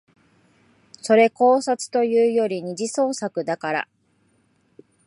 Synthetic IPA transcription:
so̞ɾe̞ko̞ːsat͡sɨ̥t̪o̞jɯ̟ːjo̞ɾʲiɲ̟iʑiso̞ːsakɯ̟d̪akaɾa̰

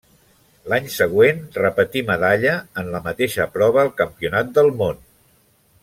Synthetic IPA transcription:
laɲsəɣ̞wenrəpət̪iməðaʎəːnləmət̪eʃəpɾɔβ̞əːlˠkəmpiunat̪̚d̪əlˠmon

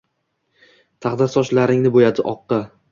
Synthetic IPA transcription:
t̪ʰaχd̪aɾsɒʃlaɾɪŋnɪbojad̪ɪʔɒq̪̚ːɑ

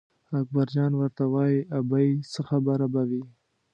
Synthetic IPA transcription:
ak̚baɾd͡ʒɑnwəɾt̪awɑjiabajsəxabaɾabawi

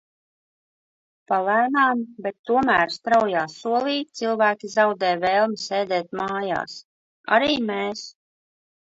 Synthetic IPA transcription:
palæjnaːmbɛt̪ːuɔmæːɾst̪ɾawjaːsuɔlˠiːt̪silˠvæːkʲizawd̪ɛːjvɛːlˠmiseːd̪ɛːt̪̚maːja̰ːs | a̰ɾiːmeːs

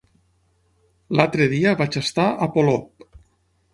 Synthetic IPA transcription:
lalt̪ɾeðiəβat͡ʃəst̪aʔapolop̚

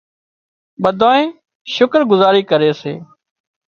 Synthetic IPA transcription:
ɓəd̪ʱaːẽː | ʃʊkɾɡʊzaːɾiːkəɾeːsḛː

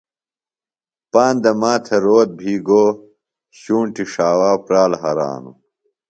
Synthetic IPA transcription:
paːnd̪ɐmaːt̪ʰeɾoːt̪̚bʱiːɡo | ɕuːɳʈiʂaːwaːpɾaːlɦɐɾa̰ːnṵ

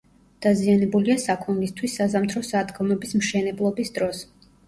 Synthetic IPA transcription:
d̪̥azianɛbuliasakʰunlist̪ʰwisːazamt̪ʰɾɔsad̪ɡɔmɛbismʃɛnɛblˠɔbisd̪ɾɔs

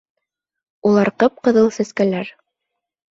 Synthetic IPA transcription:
ulˠɑɾqɤp̚qɤ̆ðɤlˠsæskælæɾ

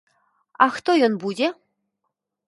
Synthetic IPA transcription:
ɑxt̪ojonbudʲe

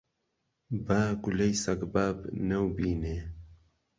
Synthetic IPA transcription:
baːɡulɐjsɐɡbaːbnɐwbiːne

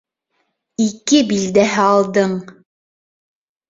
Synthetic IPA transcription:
ikɘbild̪æɦɘɑlˠd̪ɤɴ

